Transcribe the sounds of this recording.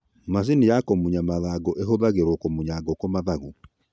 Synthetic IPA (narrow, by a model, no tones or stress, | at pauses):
mas̬inijakɔmuɲamaðaɡɔʔeɦoðaɣeɾokɔmoɲaɡɔkɔmaðaɣu